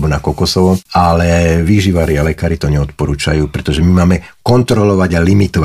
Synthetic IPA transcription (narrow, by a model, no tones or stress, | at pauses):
bɔnakɔkɔsɔʋɔalɛʋiʒiʋaɾialɛkaːɾit̪ɔɲɛɔt̪pɔɾuːt͡ʃa̰juːpɾɛt̪ɔʒɛmimaːmɛ | kɔnt̪ɾɔlɔʋaɟalimit̪ɔʋa